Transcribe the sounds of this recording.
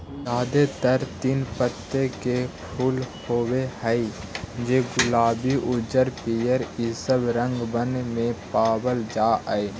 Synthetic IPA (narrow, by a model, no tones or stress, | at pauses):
jaːd̪et̪əɾt̪iːnpət̪ːekepʰuːlhoːwehəi | d͡ʒeːɡʊlaːbiʔʊd͡ʒəɾpijəɾisəbɾə̃ŋɡbənmẽpaːbəld͡ʒaːʔəe